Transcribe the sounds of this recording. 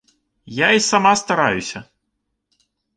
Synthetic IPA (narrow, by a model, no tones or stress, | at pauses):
jaisamast̪aɾajusʲɐ